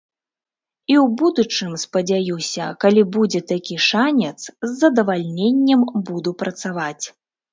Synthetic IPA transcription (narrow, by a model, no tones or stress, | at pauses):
iwbud̪ut͡ʂɨmspɐd͡zʲajiwsʲɐ̰kalʲibud͡zʲɛt̪akʲiʂanʲɛt̪szːɐd̪ɐvalʲnʲenʲːɐmbud̪upɾɐt̪savat͡sʲ